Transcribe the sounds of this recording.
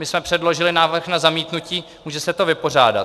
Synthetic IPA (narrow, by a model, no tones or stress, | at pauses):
mɪsmɛpr̥ɛdlo̞ʒɪlɪnaːvr̩xnazamiːt̪nuciː | muːʒɛsɛt̪o̞vɪpo̞r̝aːda̰